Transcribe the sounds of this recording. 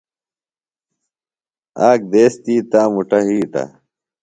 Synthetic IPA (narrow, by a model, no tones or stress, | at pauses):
aːk̚d̪eːst̪iːt̪aːmuʈɐɦiːʈɐ̰